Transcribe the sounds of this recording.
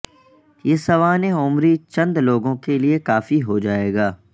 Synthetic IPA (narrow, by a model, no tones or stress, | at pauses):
jeːsɐʋaːneʊmɾit͡ʃɐ̃nd̪loːɡõkeliekaːfiɦod͡ʒaːeːɡaː